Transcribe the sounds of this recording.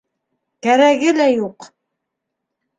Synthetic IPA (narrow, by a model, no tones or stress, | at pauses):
kæɾæɡɘlæjuq